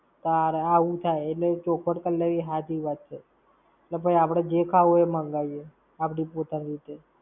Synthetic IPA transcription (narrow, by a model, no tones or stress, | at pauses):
t̪aɾaʋũt̪ʰajeʈlet͡ʃokʰəʈkəlːeɾiɦat̪ʰiʋat̪t͡ʃʰe | eʈlebəiapɽ̃ed͡ʒekʰaoemə̃ŋɡaije | apɽipot̪ənɾit̪e